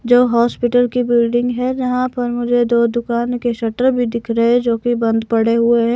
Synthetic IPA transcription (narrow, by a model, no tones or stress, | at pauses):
d͡ʒoːɦɔːspɪʈəlkibɪlɖɪ̃ŋɡɦɛd͡ʒɐɦãpɐɾmʊd͡ʒʱed̪oːd̪ʊkaːnkeʃɐʈəɾbʱid̪ɪkʰɾəɦɛd͡ʒoːkibɐ̃nd̪pɐɽeɦʊeɦɛː